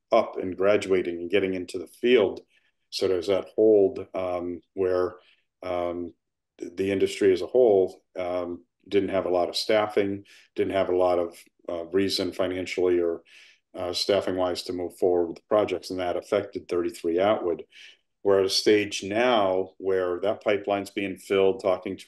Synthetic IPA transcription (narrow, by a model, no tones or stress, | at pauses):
ʌpʰɨ̰̃nɡɹæd͡ʒʉeɪɾɪ̃ŋɨ̃nɡɛɾɪ̃ŋɪ̃ntʰʉðəfilˠd̥ | sʌt͡ʃɨzðət̚hoʊlˠd | wə˞ | ðiɪ̃ndɨstɹ̥iɨzəhoʊlˠ | dɪdⁿn̩thɨvəlɔɾʌv̥stæfɪ̃ŋ | d̥ɪdⁿn̩t̚hɨvəlɔɾʌv̥ | ɹizɨ̃nfãɪ̃ñæ̃nʃl̩ˠiə˞ | stæfɪ̃ŋwaɪz̥tʰɨmuv̥fɔɹwə˞d̚wəðə̥pʰɹ̥ɑd͡ʒɛk̚tsn̩ðəɾəfɛk̚tɨd̪̚θɜ˞ɾiθɹiaʊʔ̚wəd̚ | wə˞ɨɾɨsteɪd͡ʒnaʊwə˞ðət̚pʰaɪplãɪ̃nzbiɪ̃ŋfɪlˠd̚tʰɔkɪ̃ŋtʰ